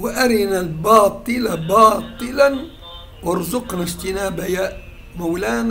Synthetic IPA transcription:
wɪʔaɾɪnalbɑːt̪ˤɨlabɑːt̪ˤɨlan | wɑɾˤzʊqnaʒt̪ɪnaːbaja | mawlaːn

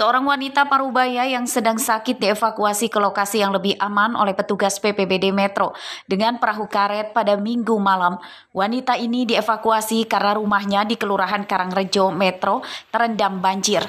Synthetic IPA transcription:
səoɾaŋwanit̪apaɾubajajaŋsədaŋsakɪt̪̚diefakuasikəlokasijaŋləbɪhʔamanʔo̰lɛhpət̪uɡaspepebedemɛt̪ɾodəŋanpəɾaɦukaɾɛt̪̚padamiŋɡumalam | wanit̪ainidiefakuasikarnaɾumaɦɲadikəluɾaɦankaɾaŋrəd͡ʒɔmɛt̪ɾot̪əɾəndambaɲd͡ʒɪr

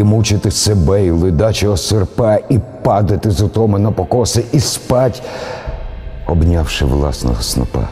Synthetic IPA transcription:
imut͡ʃɪt̪ɪsebɛilˠɪd̪ɑt͡ʃɔɔsɪrpɛipɑd̪ɐt̪ɪzʊt̪ɔmɪnɐpɔkɔsɪʔispɑtʲ | ɔbnʲawʃɪ̰ʋlˠɑ̰snɔ̰ɦɔsnɔ̰pɛ̰

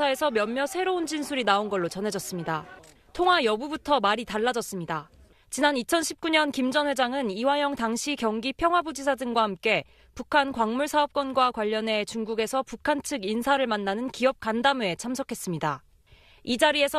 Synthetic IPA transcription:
ae̞sʰʌmjʌmːjʌsʰe̞ɾound͡ʑinsʰuɾinaonɡʌɭːot͡ɕʌnɦe̞d͡ʑʌs͈ɯmɲida | tʰoŋɦajʌbubutʰʌmaɾitaɭːad͡ʑʌs͈ɯmɲida | t͡ɕinanit͡ɕʰʌnɕʰip̚k͈uɲʌnkimd͡ʑʌnɦwe̞d͡ʑaŋɯniwajʌŋtaŋɕʰikjʌŋɡipʰjʌŋɦwabud͡ʑisʰadɯŋɡwahamk͈e̞ | pukʰankwaŋmuɭsʰaʌp̚k͈wʌnɡwakwaʎːʌne̞t͡ɕuŋɡuɡe̞sʰʌpukʰant͡ɕʰɯɡinsʰaɾɯɭmanːanɯnkiʌp̚k͈andamue̞t͡ɕʰamsʰʌkʰe̞s͈ɯmɲida | id͡ʑaɾie̞sʰ

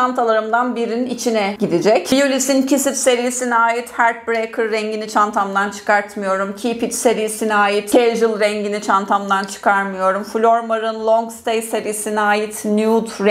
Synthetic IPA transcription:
ant̪ʰalˠaɾɯmd̪anbiɾinit͡ʃʰinɛɟid̪id͡ʒɛcijulʲisincʰisit̪se̞ɾijsiniaːjit̪hæɾt̪̚bɾejkʰɯɾːɛɲɟinit͡ʃʰant̪ʰamd̪ant͡ʃʰɯ̥kʰaɾt̪mɯjo̞ɾumcʰipit̪se̞ɾijsiniaːjit̪cʰejʒɯlˠɾɛɲɟinit͡ʃʰant̪ʰamd̪ant͡ʃʰɯ̥kʰaɾmɯjo̞ɾumfulʲoɾmaɾɯnlˠoŋɡst̪ʰejseɾisiniaːjit̪njud̪ɾ

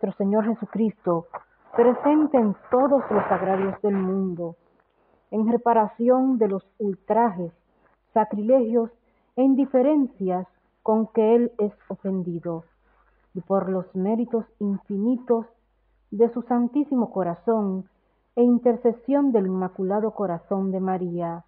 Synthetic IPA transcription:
est̪ɾo̞se̞ɲo̞ɾxe̞sukɾist̪o̞ | pɾe̞se̞nt̪eent̪o̞ðo̞slo̞saɣɾaβjo̞zðe̞lmũnd̪o̞ | e̞ŋre̞paɾasjo̞nd̪e̞lo̞sult̪ɾaxe̞sː | akɾile̞hjo̞s | eind̪ife̞ɾe̞nsjas | ko̞ŋke̞ele̞so̞fe̞nd̪iðo̞ | ipo̞ɾlo̞sme̞ɾit̪o̞siɱfinit̪o̞s | ðe̞susant̪isimo̞ko̞ɾaso̞ŋ | e̞int̪e̞ɾse̞sjo̞nd̪e̞limakulaðo̞ko̞ɾaso̞nd̪emaɾia

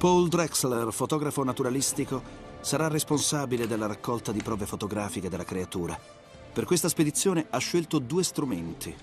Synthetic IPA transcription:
pold̪ɾɛkslerfot̪ɔːɡɾafonat̪uɾalist̪ikosaɾarːesponsaːbiled̪elːaɾakːɔlt̪ad̪ipɾɔːvefot̪oɡɾaːfiked̪elːakɾeat̪uːɾa̰ | perkwest̪asped̪it̪sːjoːneaʃːelt̪od̪uːest̪ɾument̪ʰi

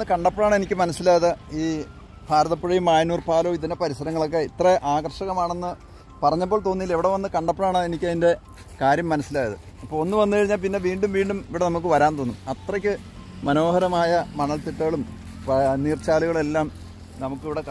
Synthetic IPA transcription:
ɨkɐɳɖɐpːɐɭaːɳe̞nikʲːɨmɐnɐsːilaːjɐðɨiː | bʱaːɾɐðɐpːeɻɐjumaːjnuːrpaːlo̞ːiðiɐnepɐɾisɐɾɐŋːɐɭo̞k̬ːe̞it̪reʔaːɣrʂɐɣɐmaːɳenːɨ | pɐrɐɲːɐp̬ːoːɭt̪o̞ːnːiile̞ʋiɽe̞ʋɐnːɨkɐɳɖɐpːɐɭaːɳɨenikʲːɐðinde̞ | kaːɾjɐmːɐnɐsːilaːjɐðɨ̰ | ɐpːoːɭo̞nːɨʋɐnːɨkɐɻiɲːaːlpinːe̞lʋiːɳɖumʋiːɳɖumiʋiɽe̞nɐmuk̬ːɨʋɐɾaːnt̪o̞ːnːumɐt̪rɐkʲːɨ | mɐno̞ːhɐɾɐmaːjɐmɐɳːɐɭt̪iʈːɐɣɐɭum | niːrt͡ɕːaːluɣɐɭe̞lːaːm | nɐmukːiʋiɽe̞

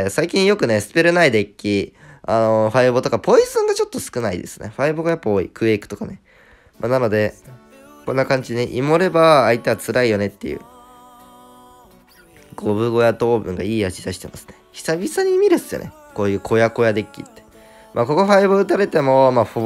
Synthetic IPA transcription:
saikʲĩɰ̃jo̞kɯ̟ne̞sɨ̥pe̞ɾɯ̟naid̪e̞kʲːiano̞ɸaibot̪o̞kapo̞izɨ̃ŋɡat͡ɕo̞t̪ːo̞sɨ̥kɯ̟naḭd̪e̞̰sɨ̥neɸaiboɡajapːaoḭkɯ̟ekɯ̥t̪okane̞ | ma̰nano̞d̪e̞ | kõ̞nːakãɲ̟d͡ʑineʔimo̞ɾe̞baːit̪eat͡sɨɾaijo̞ne̞t̪ːe̞jɯ̰ː | ɡ̥o̞βɯ̟ɡo̞jat̪o̞ːbɯ̟̃ŋɡaiːat͡ɕid̪aɕi̥t̪e̞masɨ̥ne̞çʲi̥sabʲisaɲ̟imʲiɾɯ̟sɨjo̰ne | ko̞ːjɯ̟ːkʰo̞jako̞jad̪e̞kʲːḭt̪ːe̥ | mʔa̰ːko̞ko̞ɸaiboɯt̪aɾe̞t̪e̞mo̞maːɸo

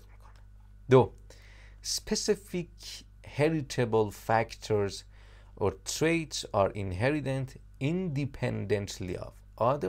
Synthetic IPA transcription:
d̪o | spʰesifik | heɾit̪ʰebəlfækt̪ʰoɹz | ʔot̪ʰɾejtsɑɾĩnɦeɾit̪ɛ̃nt̪ | ĩnd̪ipʰɛ̃nd̪ẽnt̪ʰlḭɑ̰v | ʔʌd̪ə

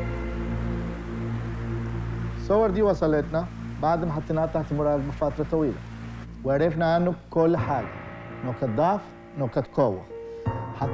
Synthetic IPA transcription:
sˤowːɑɾˤd̪iːwɑsˤɑleːt̪na | baʕd̪hamħat̪ˤːnɑːt̪ˤɑħt̪mʊɾˤɑːɡbafat̪ɾˤɑt̪ˤɑwiːla̰ | wɪʕɾɪfnaʔanːʊkʊlːħaːɡa̰ | noːkat̪̚d̪ˤɑʕf | noːkat̪koːwːa̰ħa

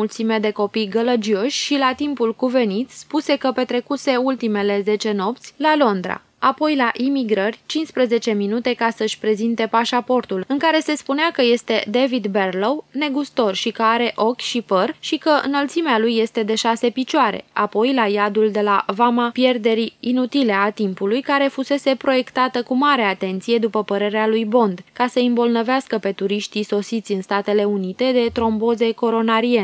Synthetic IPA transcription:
ult̪simed̪e̞ko̞pijɡələd͡ʒio̞ʃʲʃilat̪impulkuve̞nit̪ʲspuse̞kəpe̞t̪ɾe̞kuse̞ult̪ime̞le̞ze̞t͡ʃe̞no̞pt̪sʲlalo̞nd̪ɾa̰ | apo̞jlaʔimiɡɾərʲt͡ʃinspɾeze̞t͡ʃe̞minut̪e̞kasəɨʃʲpɾe̞zint̪e̞paʃapo̞rt̪ulɨŋkaɾe̞se̞spuneakəje̞st̪e̞d̪evid̪berlowne̞ɡust̪o̞rʃikəaɾe̞ʔo̞kʲʃipərʃikəʔɨ̰nəlt̪simealujːe̞st̪e̞d̪e̞ʃase̞pit͡ʃoaɾe̞̰apo̞jlajad̪uld̪e̞lavamapje̞rd̪e̞ɾiinut̪ile̞at̪impulujkaɾe̞fuse̞se̞pɾo̞je̞kt̪at̪əkumaɾe̞at̪e̞nt̪sije̞d̪upəpəɾe̞ɾealujbo̞nd̪kasəimbo̞lnəveaskəpe̞t̪uɾiʃt̪iso̞sit̪sʲɨnst̪at̪e̞le̞unit̪e̞d̪e̞t̪ɾo̞mbo̞ze̞ko̞ɾo̞naɾie

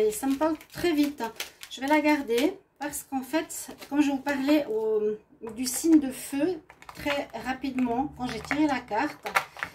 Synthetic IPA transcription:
esaməpaʁlt̪χɛvit̪ʒ̥əvɛlaɡaʁd̪epaʁsə̥kɑ̃fɛt̪kɔmʒəvupaʁlɛʔom | d̪ysiɲd̪əføt̪χɛʁapid̪mɑ̃kɑ̃ʒet̪iʁelakaʁt̪

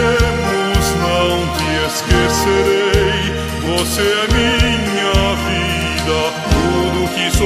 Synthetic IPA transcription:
mʊznɐ̃w̃t̪ɪeskeseɾej | voseɐmiɲ | ɐvi | d̪ɐ | t̪ud̪ʊkɪso

